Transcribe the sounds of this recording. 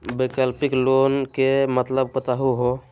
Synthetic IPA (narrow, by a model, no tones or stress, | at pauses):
bekəlpiklonkemət̪ləb̚pət̪aɦuɦo